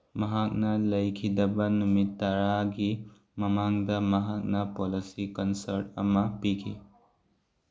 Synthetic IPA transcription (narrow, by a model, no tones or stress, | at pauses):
mɐɦak̚nɐlɐjkʰidɐbɐnumitːɐɾaɡi | mɐmaŋdɐmɐɦak̚nɐpolisikɐnsɐɾt̚ɐ̰mɐpikʰḭ